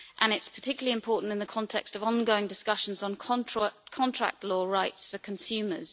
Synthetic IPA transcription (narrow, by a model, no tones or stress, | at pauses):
ʔə̃nɪtspʰə̥tʰɪkjliɪ̃mpʰɔˑʔn̩tɪ̃nðəkʰɒ̃ntʰɛ̰kstəvɒ̃nɡəʊɪ̃ŋdɪskʌʃə̃nzn̩ʰkʰɒ̃ntʰɹ̥a̰k̚tʰˡlɔːɹaɪtsfəkʰə̃nsʉːmə̰z̥